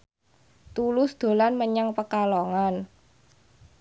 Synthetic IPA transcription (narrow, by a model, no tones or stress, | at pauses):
t̪ulʊsd̪̥o̤lanməɲaŋpəkaloŋan